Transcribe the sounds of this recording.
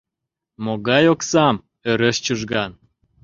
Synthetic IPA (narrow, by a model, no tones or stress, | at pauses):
moɣɑjoksɑm | øɾəʃt͡ɕuʒɣɑn